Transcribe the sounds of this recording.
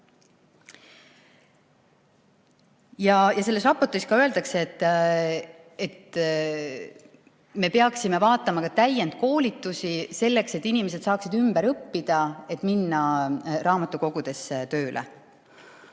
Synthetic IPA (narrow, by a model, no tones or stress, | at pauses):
jɑjɑse̞lːe̞s̬rɑpːo̞rt̪iskɑøeld̪̥ɑkset̪ːˑ | et̪ | me̞peɑksime̞vɑːt̪ːˑɑmɑkɑt̪æjent̪̚ko̞ːlit̪ːˑusise̞lːe̞kse̞t̪ːinime̞s̬e̞d̪̥sɑːksid̪ymb̥eɾɤpːid̪̥ɑe̞t̪ːˑminːɑrɑːmɑt̪ːˑuko̞ɡ̥ud̪̥e̞sːet̪ø̞ːlʔḛ